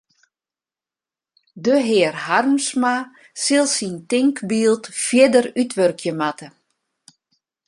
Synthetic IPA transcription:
dəɦɪərharmsma | sɪlˠsintɪŋkbiːlˠtfjɪdərytʋørkʰjəmatʰə

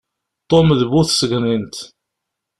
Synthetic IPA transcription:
t̪ˤːomðβuθsəɡnint̪

